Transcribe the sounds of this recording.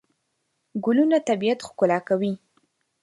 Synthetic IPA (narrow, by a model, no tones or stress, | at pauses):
ɡʊlunat̪abijat̪xkʊlɑkawi